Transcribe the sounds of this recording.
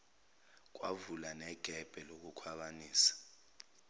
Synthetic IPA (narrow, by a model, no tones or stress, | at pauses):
k̬ʼwa̰vulanɛɡ̥ʱɛb̥ʱɛlok̬ukʰwaɓaniːsḁ